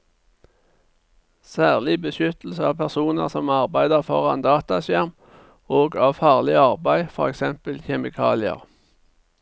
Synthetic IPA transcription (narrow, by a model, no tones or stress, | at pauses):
sæːʁlɪbəʃʏt̪l̩səɑːʋpʰæʁsuːnə̰ʁsɔmɑʁbæɪd̪əʁfɔ̰ʁɑ̰nd̪ɑːt̪ɑsjæʁm | oːɡɑːʋfɑːʁlɪɑʁbæɪfɔʁɛksɛmpəlçɛmɪkʰɑ̰ːlɪə̰ʁ